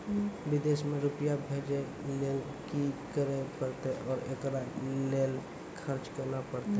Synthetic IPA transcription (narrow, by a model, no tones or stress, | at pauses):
bɪd̪eːsmẽɾʊpijabʱed͡ʒe | lel | kikəɾepəɾt̪eʔɔːɾekɾaleːl | kʰəɾt͡ʃkəɾnapəɾt̪e